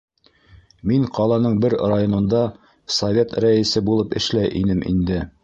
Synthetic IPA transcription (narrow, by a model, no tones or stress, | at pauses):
miŋqɑlˠɑnɤɴbɘɾrajonɤ̆nd̪ɑ | sovʲet̪ɾæɘ̆sɘbulˠɤpɘ̆ʃlæjʔḭnɘmʔḭnd̪ɘ